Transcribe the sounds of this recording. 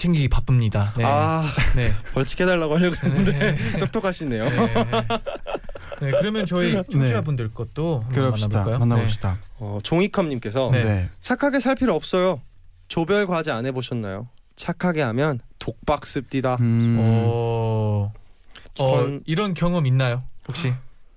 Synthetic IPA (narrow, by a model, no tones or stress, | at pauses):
t͡ɕʰeŋɡiɡipap͈ɯmɲidaanepʌɭt͡ɕʰi̥kʰe̞daɭːaɡoɦaoɡenɯndeok̚t͈ʰokʰaɕʰinːe̞jo | nekkɯɾʌmjʌnt͡ɕʌiet͡ɕʰuabundɯɭk͈ʌt̚t͈okɯɾʌaaajomanːaoɕidaʌt͡ɕoŋikʰʌmɲimk͈e̞sʰʌnenet͡ɕʰakʰaɡesʰaɭpʰiɾɯʌp̚s͈ʌjo | t͡ɕobjʌɭɡwad͡ʑianɦe̞boɕʰʌnːa̰jo | t͡ɕʰakʰaɡeɦamjʌntok̚p͈ak̚s͈ɯp̚t͈ida | iʌniɾʌnkjʌŋʌminːajopokɕ͈i